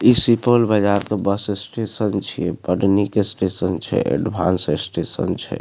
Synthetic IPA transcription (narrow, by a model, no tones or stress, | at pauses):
isipolbəd͡ʒaɾkebəsesʈesənt͡ʃʰiepəɖnikesʈesənt͡ʃʰɛ̰ʔḛɖbʱa̰nsesʈesə̰nt͡ʃʰɛ̰